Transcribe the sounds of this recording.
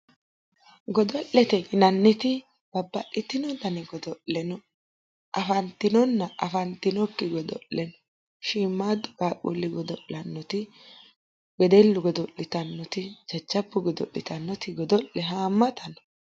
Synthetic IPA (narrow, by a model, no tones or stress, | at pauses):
ɡɔd̪ɔʔːɛt̪ɛɡɪnɐnːɪt̪ɪ | b̥ɐbːɐʔɪt̪ːɪnɔt̪ɐnɛɡɔd̪ɔʔɛnɔ | ʔɐfɐnt̪ɪnɔnːɐʔɐfɐnt̪ːɪnɔkːɪɡɔd̪ɔ̰ʔːɛnɔ | ʃiːmːaːd̪ːɔkaːkʼṵlːɪɡɔd̪ɔʔːɐnːɔt̪ɪ | ɡɛd̪ɛlːʊɡɔd̪ɔʔːɪt̪ɐnːɔt̪ɪd͡ʒɐd͡ʒːɐbːʊɡɔd̪ɔ̰ʔːɪ̰t̪ɐnːɔt̪ɪɡɔd̪ɔʔːɛɦaːmːɐt̪ɐnɔ̥